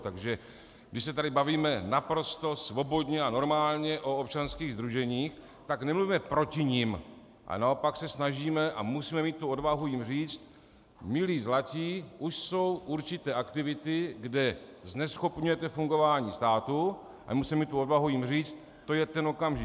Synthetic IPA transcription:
t̪aɡʒɛ | ɡdɪʃsɛt̪adɪbaviːmɛnapɾo̞st̪o̞svo̞bo̞d̪ɲɛano̞ɾmaːlɲɛʔo̞op̚t͡ʃanskiːɣzd̪ɾuʒɛɲiːx | t̪aknɛmluviːmɛpɾo̞cɪɲim | ʔa̰nao̞paksɛsnaʒiːmɛʔa̰musiːmɛmiːt̪tːuo̞dvaɦujɪmr̝iːt͡st̪ | mɪliːzlaciːʔuʃso̞wʔuɾt͡ʃɪt̪ɛːʔakt̪ɪvɪt̪ɪɡdɛznɛsxo̞pɲujɛt̪ɛfuŋɡo̞vaːɲiːst̪aːt̪u | a̰musiːmɛmiːt̪t̪ːuodvaɦujɪmriːt͡st̪ | t̪ːo̞jɛt̪ɛno̞kamʒɪ

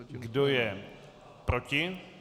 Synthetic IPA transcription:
ɡdojɛ | pɾocɪ

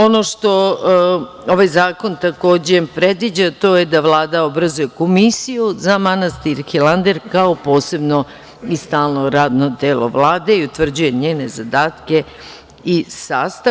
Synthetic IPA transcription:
o̞no̞ʃt̪o̞ | oʋajzaːko̞nt̪ako̞ːd͡ʑepɾed̪ʋid͡ʑat̪o̞jed̪aʋlˠaːd̪aobɾazuje̞ko̞misijuzamanast̪iɾxilˠand̪eɾkaopo̞ːse̞bno̞ | ist̪aːlˠno̞ɾaːd̪nod̪eːlo̰ʋlˠaːd̪e̞iut̪ʋr̩d͡ʑuje̞ɲeːnezad̪aːt̪ke̞ | isaːst̪a

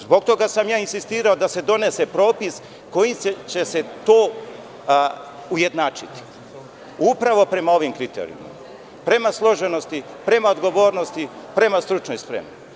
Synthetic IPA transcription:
zbo̞ɡ̚t̪o̞ɡasamjaːinsist̪iːɾao̞d̪ase̞d̪o̞ne̞se̞pɾo̞ːpis | ko̞jimt͡ɕe̞se̞t̪oː | uje̞d̪naːt͡ʃit̪i̥ | upɾaʋo̞pɾe̞mao̞ʋimkɾit̪ḛɾḭṵma̰ | pɾe̞maslˠo̞ʒe̞nost̪i | pɾe̞maod̪ɡo̞ʋo̞ːɾno̞st̪ipɾe̞mast̪ɾut͡ʃnojspɾḛmno

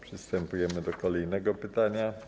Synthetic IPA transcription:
pʂɘst̪ɛmpujɛmɘd̪ɔkɔlɛjnɛɡɔpɘt̪aɲa

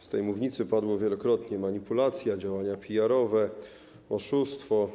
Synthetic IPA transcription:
st̪ɛjmuvɲit̪sɘpad̪wɔvʲjɛlɔkɾɔt̪ɲɛmaɲipulat̪sʲjad͡ʑawaɲapʲijaɾɔvɛ | ɔʂust̪fɔ

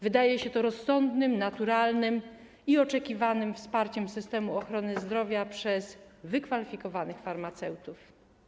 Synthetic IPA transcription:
vɘd̪ajɛɕɛt̪ɔɾɔsːɔnd̪nɘmnat̪uɾalnɘm | iɔt͡ʂɛkʲivanɘmfspaɾt͡ɕɛmsɘst̪ɛmuɔxɾɔnɘzd̪ɾɔvʲjapʂɛz̥vɘkfalʲifʲikɔvanɘxfaɾmat̪sɛwt̪uf

